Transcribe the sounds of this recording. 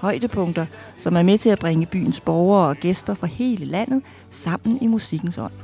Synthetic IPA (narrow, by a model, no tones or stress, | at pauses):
hɒ̽ɪ̰d̥əpʰɔ̽ŋd̥ɐ | sɒ̽mæɐmet͡sʰe̝læb̥ʁaŋəb̥y̰ːn̩sb̥ɒʊɐːɒ̽ɡ̥esd̥ɐfɒ̽he̝ːləlæn̰ð̞̩ˠ | sɑ̈m̰n̩imusiɡ̥n̩sɒ̽n̰